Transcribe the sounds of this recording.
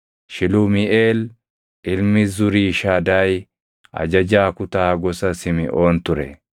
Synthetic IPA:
ʃɪlʊmɪʔeːl | ɪlmɪzʊɾiːʃaːd̪aːj | ɐ̰d͡ʒɐd͡ʒaːkʊt̪aːɡɔsɐsɪmɪ̰ʔo̞ːnt̪ʊɾɛ̰

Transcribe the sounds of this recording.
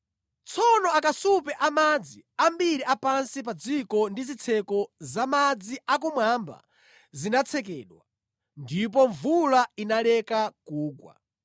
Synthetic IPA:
t͡sʰɔnɔakasupɛʔamad͡ziambiɾiʔapansip̬ad͡zikɔndizit͡sʰɛkɔzamad͡ziakumwamba̰ | zinat͡sʰɛk̬ɛːɗwa | ndip̬ɔɱvulainalɛkakuːkwa̰

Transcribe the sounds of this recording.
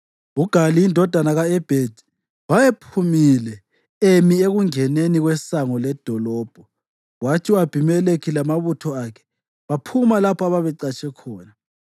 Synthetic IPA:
uɡ̥ʱaliindʱɔd̥ʱanaɣaɛb̥ʱed̥ʱi̥ | wajepʰumilɛ | emieɣuŋɛneniɣwɛsaŋɔlɛd̥ʱɔlɔːb̥ʱɔ | watʰiwab̥ʱimɛlekʰilamaβutʰɔakʰɛ̥ | βapʰumalapʰɔaβaβɛǀat͡ʃʰʼɛkʰɔːna

